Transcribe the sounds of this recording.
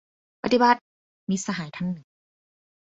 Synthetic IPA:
pa˧t̪i˧ba˧˦t̪̚ | miː˧˥sa˧ɦaː˩˦jt̪ʰa˧˥nːɯ˨˩ŋ

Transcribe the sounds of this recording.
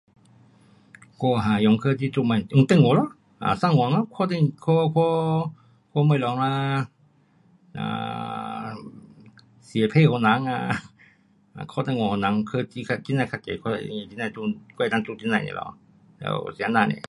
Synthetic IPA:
ko˧ɦa˨jɔ˨˧˦ŋkʰɤː˧t̪i˧t̪u˧˨ma˧˨u˧˦ŋt̪e˧˨ŋo˨˦lɔ˧˨ | ʔa̰ː˨sa˧˨ŋɔ˨˦ŋlkʰɔː˧t̪̬e˧˨ŋkʰo˧kʰo˧ | kʰo˧˦mə˧˨lɔ˨˦ŋlaː˧ | ʔa̰ː˧˩ | si˨˦pʰeː˧˨ho˧˦na˨˧˦ŋa̰˧˨ | a̰˨kʰɔː˧˨t̪e˧˨ŋɔ˧˨ho˧˨na˨˦ŋkʰɤ˧˨ti˧kʰa˧t͡ɕi˧na˧˨kʰa˧˩kḛ˨kʰɔ˧˨˧i˧˨ti˧na˧˨t̪u˧kɔ˧˨˧na˧˦t̪u˧ti˧˨na˧jnḭ˧lʔɔ̰˧˨ | lɛ̰˧˩wsi˨˦naː˧˨nḭ˧˨

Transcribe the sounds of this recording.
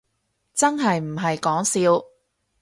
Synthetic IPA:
t͡sɐ˥nɦɐ˨jm̩˨˩ɦɐ˨jkɔː˨˥ŋsiː˨˧w

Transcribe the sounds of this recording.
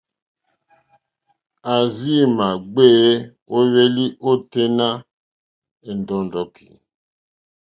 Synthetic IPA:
a˨zi˦˨ma˨ɡ͡be˦ | o˦βe˦li˦ʔo˦te˦na˦ | e˨ndɔ˨ndɔ˨kʰi̥˨

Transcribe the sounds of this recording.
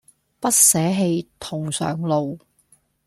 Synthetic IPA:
pɐ˥t̚sɛː˨˥ɦe˧jt̪ʰʊ˨˩ŋsœ̰ː˨˩ŋlo˨w

